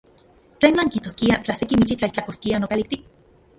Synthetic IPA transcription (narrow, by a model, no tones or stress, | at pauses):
t͡ɬeːnaŋkiht̪oskiat͡ɬahsekimit͡ʃit͡ɬaiht͡ɬakoskianokalik̚t̪ik̚